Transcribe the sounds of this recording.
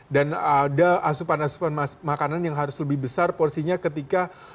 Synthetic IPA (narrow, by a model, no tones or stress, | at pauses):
danadaasupanasu̥panmakananjaŋɦaɾʊsləbɪhbəsarpɔrsiɲakət̪ika